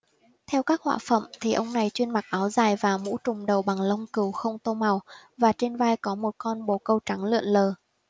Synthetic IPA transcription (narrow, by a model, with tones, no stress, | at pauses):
t̪ʰɛ˧wkaː˦˥k̚hwa̰ː˧˨fə̰˧˨mt̪ʰi˨˩ʔə˧wŋ͡mna˨˩jt͡ɕwi˧ənma˨˩k̚ʔaː˨˦wzaː˨˩jvaː˨˩mṵ˧˥t͡ɕʊ˨˩ŋ͡mɗə˨˩wɓa˨˩ŋlə˧wŋ͡mkɨ˨˩wxə˧wŋ͡mt̪o˧ma˨˩wvaː˨˩t͡ɕe˧nvaː˧jkɔ˨˦mo˨˩t̚kɔ˧nɓo˨˩kə˧wt͡ɕa˨˦ŋlɨ̰˧˨ənləː˨˩